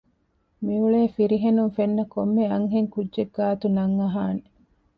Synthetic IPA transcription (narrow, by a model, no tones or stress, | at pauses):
miuɭeːfiɾiɦenuŋfenːɐkomːeɐŋɦeŋkudʒeɡːaːt̪unɐŋːɐɦaːne